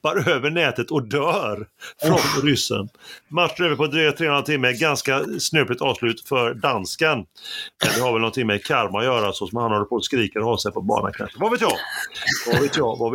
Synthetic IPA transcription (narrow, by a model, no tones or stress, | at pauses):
b̥aɾøːvəɳɛːt̪ət̪ɔd̪œːɾfɾɔnɾʏsːə̰nmaʈʂɛːvəpɔd̪ɾyːkat̪ʰɾeːɔnɾat̪ʰɪmːəɡanskasnøːpɪt̪ɑːvslʉ̟ːt̪fœɾɖanskanmɛnd̪ɛhaɾvɛlnɔnt̪ʰɪŋmɛkʰaɾmajœːɾasɔsɔmhanhɔlːəpʰɔskɾiːkəɾhɔːsɛjpɔbɑ̰ːna̰kʰa̰nʂəvaveːt̪jɑ̰ːvaveːt̪jɑva